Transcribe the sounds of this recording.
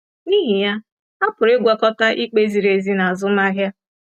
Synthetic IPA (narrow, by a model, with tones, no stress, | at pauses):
ni˦ɦi˨ja˦ | a˦pʊ˨ɾe˦ɡʷa˦kɔ˦ta˦ʔi˦k͡pe˦zi˨ɾe˨zi˦na˨a˨zʊ˦ma˦ɣja˦